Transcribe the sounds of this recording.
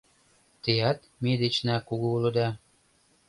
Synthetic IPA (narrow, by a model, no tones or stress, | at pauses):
t̪ejɑt̪ | med̪et͡ɕnɑkuɣuulɤ̆d̪ɑ